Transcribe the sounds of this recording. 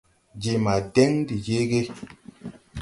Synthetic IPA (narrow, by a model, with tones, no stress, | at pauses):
d͡ʒe˨ma˨dɛ˦ŋdi˨d͡ʒe˦ɡe˦